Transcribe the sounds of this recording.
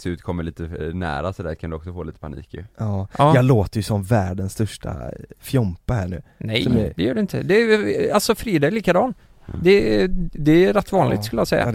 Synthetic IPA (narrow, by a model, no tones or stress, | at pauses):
sʉ̟ːt̪kʰɔmːəɭiːt̪ənæ̰ːɾasɔd̪æːɾkʰand̪ɵɔksɔfoːiːt̪ə̥pʰanḭːkʔɑːjɑːɡloːt̪əɾjɵsɔmvæːɖənst̪œʂʈa̰fjɔmpahæːɳʉ̟ːnɛjsɔmd̪ɛjœːɖɛɪnt̪ʰə̰d̪ɛalsɔfɾiːd̪ɑːliːkad̪ɑːn | d̪ɛd̪ɛɾɛt̪ːvɑːnlɪ̰ɡt̪skɵləjɑsɛjːa̰